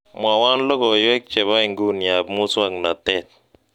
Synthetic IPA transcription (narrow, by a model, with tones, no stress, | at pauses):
mwa˨wa˦n˦lɔ˦kɔ˨jɛ˦k̚t͡ʃɛ˨βa˦i˨ŋɡu˦nja˨bmʊ˦sa˦kna˨tɛ˦˨t̚